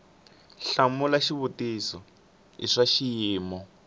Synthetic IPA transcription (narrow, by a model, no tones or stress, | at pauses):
ɬamulaʃiβutisɔ | iʂaʃijiːmɔ